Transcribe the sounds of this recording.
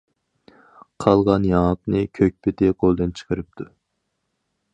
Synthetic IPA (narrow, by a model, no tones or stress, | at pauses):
qʰɑlˠʁɑnjɑqnɨkʲʰøk̚ʲpɪt̪ɪqʰolˠd̪ɨnt͡ʃʰə̥qʰəɾɨp̚t̪ʰu